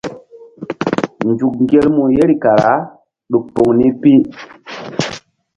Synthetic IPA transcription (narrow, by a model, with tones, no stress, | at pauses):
nd͡ʒu˨k̚ŋ˦ɡe˦lmu˨je˦ɾi˨ka˨ɾa˨˦ | ɗu˨k̚po˨ŋni˦pi˦